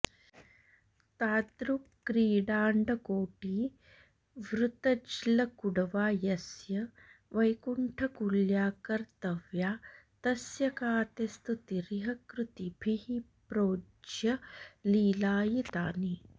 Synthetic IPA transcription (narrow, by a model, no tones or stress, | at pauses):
t̪aːt̪ɾukːɾiːɖaːɳɖɐkoːʈiː | ʋɾut̪ɐd͡ʒlɐkuɽɐʋaːjɐsjɐ | ʋɐjkuɳʈʰɐkuljaːkɐɾt̪ɐʋjaːt̪ɐsjɐkaːt̪est̪ut̪iɾiɦɐkɾut̪ibʱiɦipɾoː | d͡ʒjɐliːlaːjit̪aːni